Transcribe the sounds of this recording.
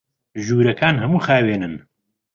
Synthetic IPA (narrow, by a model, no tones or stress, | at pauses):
ʒuːɾɐkʰaːnhɐmuːxaːweːnɨn